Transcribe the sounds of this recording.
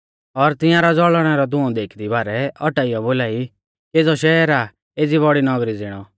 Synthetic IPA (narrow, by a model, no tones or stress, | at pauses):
ɔɾt̪ɪ̃jãɾad͡zɔɭɽ̃ɛɾɔd̪ʊ̃ɔ̃d̪eːkʰd̪ibaːɾɛɔʈaːijɔboːlaːi | keːd͡zɔʃɛɛɾa | eːd͡ziβɔɽinɔɡɾid͡zɪɽ̃ɔ